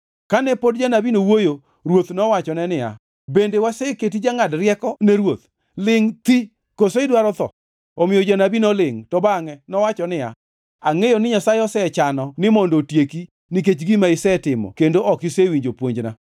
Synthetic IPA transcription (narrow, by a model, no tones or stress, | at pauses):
kanɛpodd͡ʒanabinowojo | ɾwot̪nɔwat͡ʃɔnɛnɪa̰ | bendewasɛket̬id͡ʒaŋadrɪjɛkɔnɛɾwot̪ | lɪŋt̪i | kosoɪdwaɾɔt̪ɔ̰ | ɔmɪjɔd͡ʒanabinɔlɪŋtɔbaŋɛnɔwat͡ʃɔnɪa̰ | aŋejonɪɲasaeɔsɛt͡ʃanɔnɪmɔndotjeki | niket͡ʃɡimaɪsɛtɪmɔ̰kendoʔɔkɪsewiɲd͡ʒopwoɲd͡ʒna̰